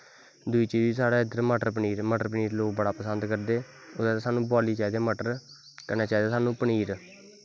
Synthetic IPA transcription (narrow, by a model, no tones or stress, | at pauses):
d̪ʊiːt͡ʃiːd͡ʒiːsaːɽeːɪd̪əɾməʈəɾpəɳiːɾməʈəɾpɳiːɾloːk̚bəɽaːpəsənd̪kəɾd̪eː | ʊd̪esaːnũːbɔːliːt͡ʃaːd̪eːməʈəɾ | kəneːt͡ʃaːd̪aːsaːnũːpəɳiːɾ